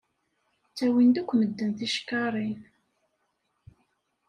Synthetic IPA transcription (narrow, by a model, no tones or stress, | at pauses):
t͡sːæwind̪ukʷːməd̪ːənθiʃkːɑɾˤin